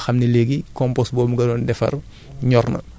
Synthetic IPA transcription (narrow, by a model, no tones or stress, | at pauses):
xɐmnileɡikɔmpɔsbɔːmuɡɐdɔːndɛfɐ̰r | ɲɔrnɐ̰